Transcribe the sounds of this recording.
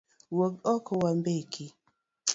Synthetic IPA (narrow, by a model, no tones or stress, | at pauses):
wok̚ɔkʰɔwambekʰi